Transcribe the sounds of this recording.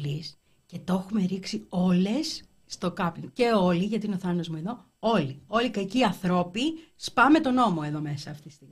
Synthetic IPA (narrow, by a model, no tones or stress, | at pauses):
lis | ce̞t̪o̞xume̞ɾiksio̞le̞sː | t̪o̞kɐpice̞o̞liʝɐt̪iineoθɐnozmueðo̞ | o̞lio̞likɐciɐθɾo̞pispɐme̞t̪o̞no̞mo̞e̞ðo̞me̞sɐːft̪it̪i̥st̪imi